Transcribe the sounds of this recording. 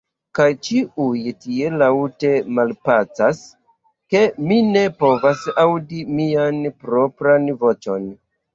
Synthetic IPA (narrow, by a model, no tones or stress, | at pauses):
kajt͡ʃiʔujtie̞lawte̞malpasas | ke̞mine̞po̞vasawdimianpɾo̞pɾanvo̞t͡ʃo̞n